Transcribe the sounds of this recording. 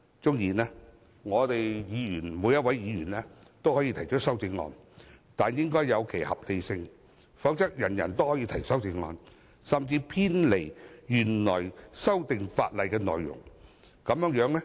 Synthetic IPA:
t͡sʊ˥ŋjiː˨˩nɛː˥ | ŋɔː˨˧t̪e˨jjiː˨˧jyː˨˩nmuː˨˧jɐ˥t̚wɐ˨˦jːiː˨˧jyː˨˩nɛː˥t̪o˥whɔː˨˥jiː˧t̪ʰɐ˨˩jt͡ʃʰə˥t̚sɐ˥wti˨˧˥ŋŋɔ̰ː˧nt̪aː˨njɪ˥ŋkɔː˥jɐ˨˧wkʰe˨˩jhɐ˨p̚le˨˧jsɪ˧ŋ | fɐ˨˥wt͡sɐ˥k̚jɐ˨˩njɐ̰˨˩nt̪o˥whɔː˨˧˥jiː˧t̪ʰɐ˨˩jsɐ˥wti˧ŋɔ̰ː˨˧n | sɐ˨˩mt͡siː˧pʰiː˥nle˨˩jjy˨˩nlɔː˨˩jsɐ˥wt̪ɪ˨ŋfa̰ː˧t̚lɐ˨jkɛː˧nɔ̰ː˨jːjʊ̰˨˩ŋ | kɐ˨˧mjœː˨˥ŋjœː˨˥ŋnɛ˥

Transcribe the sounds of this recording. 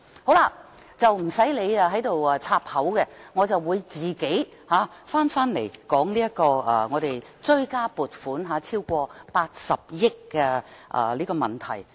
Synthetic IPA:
ho˨˥wla˧t͡sɐ˨wm̩˨˩sɐ˨˥jle˨˧ja˧ɦɐ˨˥jt̪o˨waː˨˧t͡sʰaː˧p̚hɐ˨˥wkɛ˧ŋɔː˨˧t͡sɐ˨wːuː˨˧jt͡siː˨˩ke˨˥j | haː˨˧˥faː˥nfaː˥nle˨˩jkɔː˨˥ŋliː˥ɐ˥kɔː˧ɐː˧ŋɔː˨˧ɾe˨jt͡sɵ˧ɥkaː˥puː˨t̚fuː˨˥nɦaː˨˥t͡sʰiː˥wkʷɔː˧paː˧t̚sɐ˨p̚jɪ˥kːɛː˧ʔɐ̰ː˨liː˥kɔː˧mɐ˨˩nt̪ʰɐ˨˩j

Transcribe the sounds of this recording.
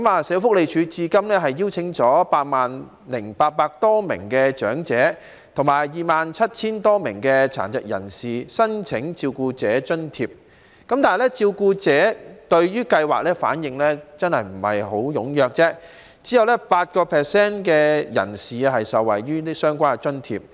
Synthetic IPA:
kɐ˨˥maː˨˧sɛː˨˥wfʊ˥k̚le˨jt͡ʃʰyː˨˧t͡siː˧kɐ˥mlɛː˥ɦɐ˨jːi˥wt͡sʰɪ˨˧˥ŋt͡sɔː˨˥paː˧t̚maː˨n | lɪ˨˩ŋpaː˧t̚paː˧k̚t̪ɔː˥mɪ̰˨˩ŋkɛ˧t͡ʃœ̰ː˨˥ŋt͡sɛː˨˥ | t̪ʰʊ˨˩ŋmaː˨˩jjiː˨maː˨nt͡sʰɐ˥t̚t͡sʰiː˥nt̪ɔː˥mɪ˨˩ŋkɛː˧t͡sʰa̰ː˨˩nt͡sɐ˨˩k̚jɐ̰˨˩nsiː˨sɐ˥nt͡sʰɪ˨˥ŋt͡siː˧wkuː˧t͡sɛː˨˥t͡ʃɵ˥nt̪ʰiː˧p̚ | kɐ˨˥mt̪aː˨jlɛ˥t͡siː˧wkuː˧t͡sɛː˨˥t̪ɵ˧ɥɥyː˥kɐ˧jwaː˨k̚lɛː˥fa̰ː˨˥njɪ˨˧ŋlɛː˥t͡sɐ˥nhɐ˨jm̩˨˩hɐ̰˨˩jɦo˨˥wjʊ˨˥ŋjœː˨k̚t͡sɛː˥ | t͡siː˨˥jɐ˨wlɛː˥paː˧t̚kɔː˧pʰɛː˨sɛː˥nkɛː˧jɐ̰˨˩nsiː˨˧ɦɐ˨jsɐ˨wːɐ̰˨˩jɥyː˥i˥sœː˥ŋkʷaː˥n˧t͡ʃɵ˥nt̪ʰḭː˧p̚

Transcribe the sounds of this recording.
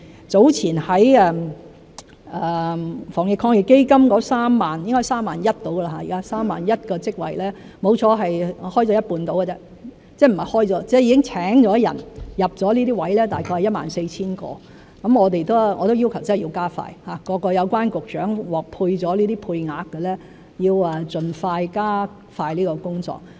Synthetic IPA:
t͡so˨˥wt͡sʰiː˨˩nhɐ˨˥jɛː˧m | ɛ˨fɔː˨˩ŋjɪ˨kʰːɔː˧ŋjɪ˨˩kːe˥jkɐ˥mkɔː˨˥saː˥mːaː˨njɪ˥ŋkɔː˥jsaː˥mːaː˨njɐ˥t̚t̪o˨˥wɡə˧la˧ɦaː˧jiː˨˩kaː˦˥saː˥mːa̰ː˨njɐ˥t̚kɔː˧t͡sɪ˥k̚wɐ̰˨˩jlɛː˥ | mo˨˧wt͡ʃʰɔː˨˧ɦɐ˨jhɔː˥jt͡sɔː˨˥jɐ˥t̚puː˧nt̪o˨˥wkə˨t͡sɛː˥ | t͡sɛː˥˩m̩˨˩ɐ˨jhɔː˥jt͡sɔː˨˧t͡sɛ˥jiː˨˧kɪ˥ŋt͡sʰɛː˨˥ŋt͡sɔː˨˥jɐ̰˨˩njɐ˨p̚t͡sɔː˨˥liː˥t̪iː˥wɐ˨˥jlɛː˥t̪aː˨jkʰɔː˧jhɐ˨jɐ˥t̚ma̰ː˨nse˧jt͡sʰiː˥nkɔ̰ː˧ | kɐ˨˦mŋɔː˨˧t̪̬e˨jt̪o˥wŋɔː˨˧t̪o˥wji˥wkʰɐ˨˩wt͡sɐ˥hji˧wkaː˥fa̰ː˧jhaː˨˩kɔː˧kɔː˧jɐ˨˧wkʷaː˥nkʊ˨k̚t͡ʃœ̰ː˨˥ŋwɔː˨k̚pʰuː˧jt͡sɔː˨˥liː˥t̪iː˥pʰuː˧jŋaː˨˧kːɛ˧lɛː˥ | jiː˧wɐ˧t͡sɵ˨nfaː˧jkaː˥ | faː˧jliː˥kɔː˧kʊ˥ŋt͡sɔ̰ː˨k̚

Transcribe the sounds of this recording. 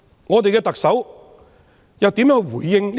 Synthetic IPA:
ŋɔː˨˧t̪e˨jkɛː˧t̪ɐ˨k̚sɐ˨˥w | jɐ˨wt̪i˨˥mjœː˨˥ŋwu˨˩jːɪ˨˧ŋlː

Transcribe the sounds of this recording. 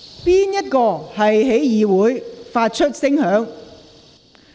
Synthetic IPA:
piː˥njɐ˥t̚kɔː˧hɐ˨jɦe˨˥jjiː˨wuː˨˥jfaː˧t̚t͡ʃʰɵ˥t̚sɪ˥ŋhœː˨˥ŋ

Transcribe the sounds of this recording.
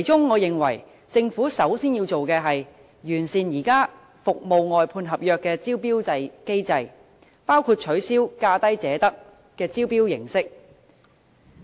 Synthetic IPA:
kʰɐ˨˩jt͡ʃʊ˥ŋːɔː˨˧jɪ˨ŋwɐ̰˨˩j | t͡sɪ˧ŋfuː˨˥sɐ˨˥wsiː˥nji˧wt͡ʃo˨wkɛː˧ɦɐ˨j | jyː˨˩nsiː˨njiː˨˩kaː˥ | fʊ˨k̚mo˨˧wŋɔː˨jpʰuː˧nɦɐ˨p̚jœː˧kːɛː˧t͡siː˥wpiː˥wt͡sɐ˧jke˥jt͡sɐ˧j | paː˥wkʰuː˧t̚t͡ʃʰɵ˨˥siː˥wkaː˥t̪ɐ˥jt͡sɛː˨˥t̪ɐ˥k̚ | kɛː˧t͡siː˥wpiː˥wjɪ˨˩ŋsɪ˥k̚

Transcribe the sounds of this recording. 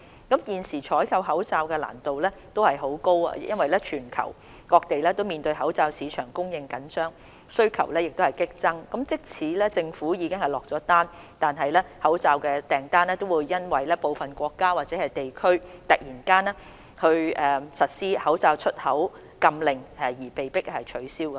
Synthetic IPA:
kɐ˨˥mjiː˨nsiː˨˩t͡ʃʰɔː˨˥jkʰɐ˧wɦɐ˨˥wt͡saː˧wkɛː˧la̰ː˨˩nt̪o˨wlɛː˥t̪o˥whɐ˨jɦo˨˥wko˥wa̰ː˧jʔɐ˥nwɐ˨jlɛː˥t͡ʃʰyː˨˩nkʰɐ̰˨˩w | kɔː˧k̚t̪e˨jlɛː˥t̪o˥wmiː˨nt̪ɵ˧ɥɦɐ˨˥wt͡saː˧wsiː˨˧t͡ʃʰœː˨˩ŋkʊ˥ŋjɪ˧ŋkɐ˨˥nsœː˥ŋ | sɵ˥ɥkʰɐ˨˩wlɛː˥jɪ˨k̚t̪o˥hɐ˨jkɪ˥k̚t͡sɐ˥ŋkɐ˨˦mt͡sɪ˥k̚t͡sʰiː˨˥lɛː˥t͡sɪ˧ŋfuː˨˥jiː˨˧kɪ˥ŋhɐ˨jlɔː˨k̚t͡sɔː˨˥t̪aː˥n | t̪aː˨nɦɐ˨jlɛː˥hɐ˨˥wt͡saː˧wkɛː˧t̪ɛː˨˩ŋt̪aː˥nɛː˥t̪o˥wuː˨˧jːɐ˥nwɐ˨jlɛː˥po˨˧wfɐ˨nkʷɔː˧kːaː˥waː˨t̚t͡sɛː˨˥hɐ˨jt̪e˨jkʰɵ˥ɥt̪ɐ˨k̚jiː˨˩nkaː˥nɛ˥ | hɵ˧ɥɛː˨˩sɐ˨t̚siː˥hɐ˨˥wt͡saː˧wt͡ʃʰɵ˥t̚hɐ˨˥w | kɐ˧mlɪ˨ŋɛ˨˩jiː˨˩pe˨jpɪ˥k̚hɐ˨jt͡ʃʰɵ˨˥ɥsiː˥wkɐ˧

